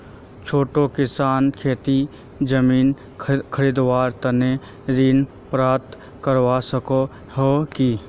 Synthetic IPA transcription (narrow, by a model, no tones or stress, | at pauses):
t͡ʃʰoːʈokɪsaːnkʰeːt̪i | d͡ʒəmiːn | kʰəɾiːd̪ʋaːɾt̪ɐne | ɾiːn | pɾaːt̪ | kəɾwasəko | hoki